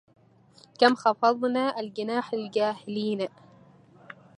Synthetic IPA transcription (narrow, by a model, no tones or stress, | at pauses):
kamxɑfɑðˤnaʔalɡɪnaːħalɡaːhɪliːna